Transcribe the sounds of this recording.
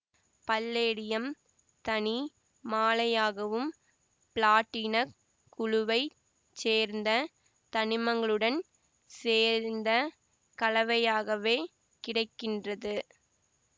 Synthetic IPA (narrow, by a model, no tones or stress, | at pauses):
pɐlːeːɽɪjɐm | t̪ɐni | maːlɐjaːɣɐʋɯm | pɪɭaːʈːiːnɐkː | ʊɻʊʋɐɪ | t͡ʃeːɾnd̪ɐ | t̪ɐnɪmɐŋɡɐɭɯɽɐn | seːɾnd̪ɐ | kɐlɐʋɐjaːɣɐʋeː | kɪɽɐɪkːɪndrɐðɯ